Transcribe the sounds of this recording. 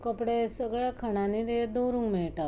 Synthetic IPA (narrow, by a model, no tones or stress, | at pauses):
kəpɽesəɡɭjakʰəɳ̃anid̪ed̪owɾũŋɡmiɭta